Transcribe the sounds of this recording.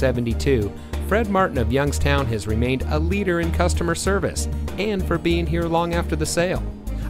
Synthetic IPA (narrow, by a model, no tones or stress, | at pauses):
sɛvntitʰʉ | fɹɛd̚mɑɹʔn̩ʌvjʌ̃ŋz̥tʰãʊ̃nɨzɹimẽɪ̃ndə̰liɾə˞ɨ̃nkʰʌstəmə˞sɜ˞vɨ̰sɨ̃nfə˞biɪ̃ŋɦiɹlɔ̃ŋæftə˞ðɨseɪlˠ